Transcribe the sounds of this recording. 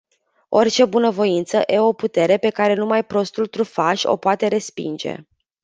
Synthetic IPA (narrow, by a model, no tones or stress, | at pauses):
o̞rt͡ʃe̞bunəvo̞int̪səʔe̞o̞put̪e̞ɾe̞pe̞kaɾe̞numajpɾo̞st̪ult̪ɾufaʃʲo̞̰poat̪e̞ɾe̞spḭnd͡ʒe̞̰